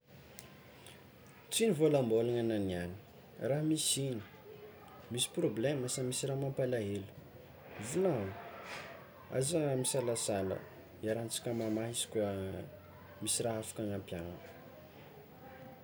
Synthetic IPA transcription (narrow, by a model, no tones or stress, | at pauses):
t͡sinivolambolaŋananiani̥ | raɦamisini̥ | misi̥probleməsamisiramampalaɦelu̥ | vunan | a̰zamisalasalə̰ | iaɾant͡si̥kʲəmamaɦisi̥kʲ | misiraɦafḁkaŋampjaŋḁ